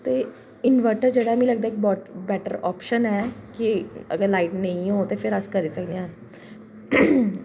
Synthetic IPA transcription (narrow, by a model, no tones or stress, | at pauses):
t̪e | inʋəɾʈəɾd͡ʑəɽam̤iləɡd̪aek̚bɔʈbɛʈəɾɔpʃənɛkiə̰ɡəɾlaiʈnəĩɦot̪efeɾəskəɾisəknã